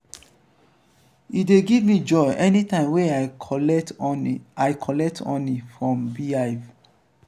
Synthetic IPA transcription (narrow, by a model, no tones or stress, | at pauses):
ideɡivmid͡ʒɔbɛnitãɪ̃mweataɪkʰɔlɛk̚tʰɔ̰̃nifɹɔ̃mbiaɪv